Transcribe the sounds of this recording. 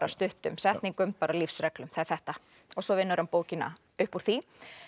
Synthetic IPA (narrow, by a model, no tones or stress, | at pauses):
ɾast̪ʏht̪ʏmsɛht̪niŋkʏmpaːɾalifsɾɛklʏmθaɛɾ̥θɛht̪a | ɔɣsɔvɪnːʏɾhanpoːwcɪna̰ | ʏhpuɾ̥θi